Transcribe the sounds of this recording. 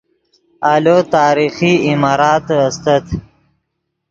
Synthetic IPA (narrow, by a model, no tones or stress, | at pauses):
alot̪ɑːɾixiimɑːɾɑːt̪ast̪ət̪